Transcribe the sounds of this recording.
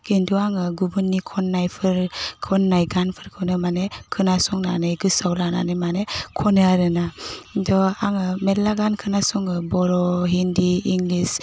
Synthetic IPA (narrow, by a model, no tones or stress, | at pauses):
kenduaŋɯɡubɯnːikʰɔnːajpʰɯɾkʰɔnːajɡanpʰɯɾkʰɯwnɯmanekʰɯnasɔŋnanejɡɯsawlana̰nɯmanekʰɔnɯaɾɯnadɔaŋɯmedlaɡankʰɯnasɔŋɯbɔɾɔɦindiːŋlis